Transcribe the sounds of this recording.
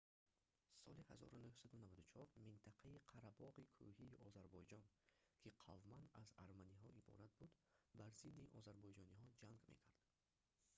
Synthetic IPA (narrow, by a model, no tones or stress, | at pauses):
sɔ̰lihazɔ̰ɾunuhsad̪unavad̪ut͡ʃʰɔɾmint̪ʰaqʰaiqʰaɾabɔʁikʰuhiːʔɔzaɾbɔjd͡ʒɔnkʲʰiqʰavmand̪azaɾmaniɦɔʔibɔ̰ɾat̪̚bud̪baɾzid̪ːiʔɔ̰zaɾbɔjd͡ʒɔnihɔd͡ʒaŋɡmḛkʰaɾd̪̥